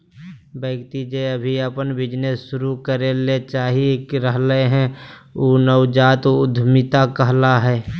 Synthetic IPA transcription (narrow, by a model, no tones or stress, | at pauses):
bəːɡt̪id͡ʒeəbʱiəpənbɪd͡ʒneʃʊɾukəɾelet͡ʃaːɦikɾəɦleɦɛ̃uːnəwd͡ʒaːt̪ʊd̪ʱmɪt̪akəɦlaɦɛː